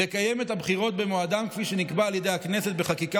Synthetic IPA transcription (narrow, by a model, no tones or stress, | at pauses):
ekaje̞methabχiʁo̞t̚be̞moad̪amkfiʃe̞nikbaːljede̞jakneset̪̚be̞χakika